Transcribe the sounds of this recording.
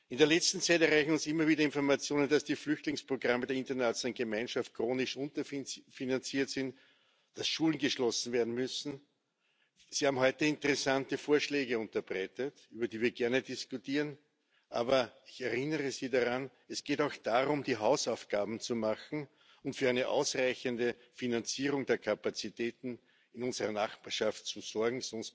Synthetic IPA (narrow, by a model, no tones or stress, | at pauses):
ʔɪndeːɐlɛt͡stn̩t͡sæɪtɛɐʁæɪçn̩ʊnsɪmːɐviːdɐɪ̃nfɔɐmat͡sjoːnənd̥asd̥iːflʏçtlɪŋspʁ̥oɡʁamədɛɐɪ̃ntɐnat͡sanɡ̥əmæɪnʃaft̚kʁ̥oːnɪʃʔʊ̃ntɐfinant͡siːɐtsɪnt | d̥asʃuːlnɡəʃlɔsn̩veːɐdn̩mʏsn̩ | sihaːbm̩hɔʏtəɪ̃ntəʁɛsantəfoːɐʃlɛːɡəʊntɐbʁɛɪtətyːbɐdiːviːɐɡɛɐnədiskʊtiːʁən | ʔa̰ːbɐɪçɛɐʁɪnəʁəziːdaʁan | ɛsɡ̥eːtɑʊxd̥aːʁʊmd̥iːɦaʊsaʊfɡ̥aːbm̩t͡sumaxn̩ | ʊntfyːɐæɪnəʔa̰ʊsʁaɪçəndə | finant͡siːʁʊŋdeːɐkʰapat͡sitʰɛːtn̩ | ɪnʊnzəʁɐnaχpaːɐʃaft̚t͡suzɔɐɡŋ̩sɔnst